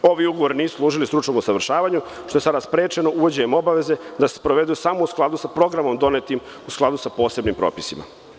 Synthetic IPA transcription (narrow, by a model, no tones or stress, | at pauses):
o̞ʋiuɡoʋo̞ɾiniːsu̥slˠuːʒilist̪ɾut͡ʃno̞musaʋr̩ʃaːʋaɲu | ʃt̪o̞esad̪aspɾeːt͡ʃe̞no̞ʔuʋod͡ʑeɲemo̞baʋe̞zed̪ase̥pɾo̞ʋe̞d̪ujusamousklˠad̪usapɾo̞ɡɾamo̞md̪o̞net̪im | usklˠad̪usapo̞ːse̞bnimpɾo̰ːpisima̰